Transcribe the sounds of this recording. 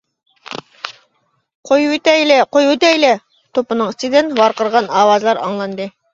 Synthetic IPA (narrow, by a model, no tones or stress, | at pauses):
qʰojut̪æjlæqojut̪æjlæ | t̪opɤ̆nɤɴst̪id̪ɘnwɑɾqɤ̆ɾʁɑnɑwɑzlˠɑɾɑ̰ɴlˠɑnd̪ɤ